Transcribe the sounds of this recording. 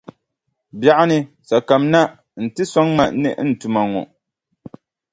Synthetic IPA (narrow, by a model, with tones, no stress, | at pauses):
bja˦ʔa˦nɨ˦ | sa˨ka˨mna˦ | n̩˨tɨ˦sɔ˦ŋma˨nɨ̰˦ʔn̩˨tu˨ma˨ŋɔ̰˨